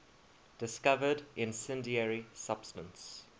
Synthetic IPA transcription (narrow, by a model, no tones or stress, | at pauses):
d̥ɪskavədʔɪ̃nsɛ̃ndiɛɹisab̥stə̃ns